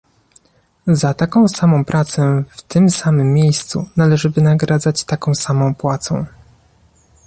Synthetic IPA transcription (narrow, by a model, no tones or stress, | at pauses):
zat̪akɔ̃w̃samɔ̃w̃pɾʔat̪sɛft̪ɘmsamɘmʲːjejst̪sunalɛʐɘvɘnaɡɾad̪zat͡ɕt̪akɔ̃w̃samɔ̃w̃pwat̪sɔ̰̃w̃